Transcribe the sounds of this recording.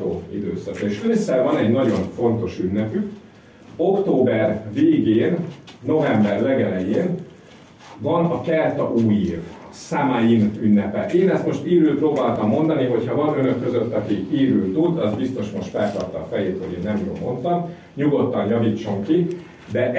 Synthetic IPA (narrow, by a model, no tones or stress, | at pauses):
o̰ːḭd̪øːsɒk̪eːʃøsːɛvɒnɛɟnɒɟo̞ɱfo̞n̪t̪o̞ʃynːɛpyk | o̞kt̪oːbɛrveːɡeːnːo̞vɛmbɛrlɛɡɛlɛjeːn | vɒnɒkɛlt̪ɒʔuːjiːv | saːmajinynːɛpɛʔeːnɛst̪mo̞ʃt̪iːɾyːlproːbaːlt̪ɒmːo̞n̪d̪ɒniɦo̞chɒvɒnø̞nøkːø̞zøt̪ːɒkiiːɾyːlt̪ud̪ɒzbist̪o̞ʃmo̞ʃt̪fɛlt̪ɒrt̪ɒːfɛjeːt̪hoɟeːnːɛmjo̰mːo̞̰nt̪ɒm | ɲuɡo̞t̪ːɒnjɒviːt͡ʃːo̞ŋki | d̪ɛʔ